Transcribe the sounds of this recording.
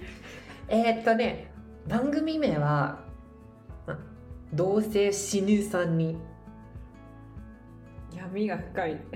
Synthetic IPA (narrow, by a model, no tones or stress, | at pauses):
e̞ːt̪ːo̞ne̞ | bãŋɡɯ̟mʲime̞βa | ma | d̪o̞ːse̞ːɕiɲʲɨːsãɲ̟ːi | jamʲiɡaɸɯ̟̥kai